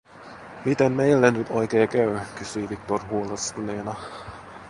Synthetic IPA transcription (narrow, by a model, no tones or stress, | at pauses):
mit̪emmejlːenyt̪ʰojkeːkæykysyiʋik̚t̪orhuːlerskyleːnɑ